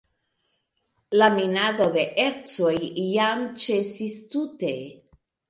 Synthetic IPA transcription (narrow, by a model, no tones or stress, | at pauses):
laminado̞de̞ʔeɾt͡so̞jːamt͡ʃe̞sistute̞